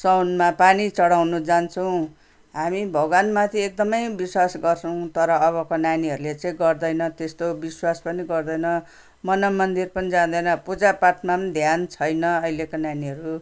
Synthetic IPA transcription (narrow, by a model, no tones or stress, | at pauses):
sʌwnmapanit͡sʌɽawnud͡zant͡sʰʌw̃ | ɦamibʱʌɡwanmat̪ʰiek̚d̪ʌmʌjbiswasɡʌrt͡sʰʌw̃t̪ʌɾʌːβʌkonaniɦʌɾulet͡sãĩɡʌrd̪ʌjnʌt̪est̪obiswaspʌniɡʌrd̪ʌjnʌ | mʌnʌmːʌnd̪irpʌnid͡zad̪ʌjnʌpud͡zapaʈnamnd̪ʱjant͡sʰʌjnʌʌilekonaniʌɾu